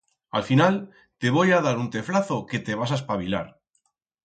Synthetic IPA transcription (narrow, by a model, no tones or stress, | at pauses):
a̰lfinal | t̪e̞β̞o̞jað̞aɾunt̪eflaθo̞ke̞t̪e̞β̞as̬aespaβila̰ɾ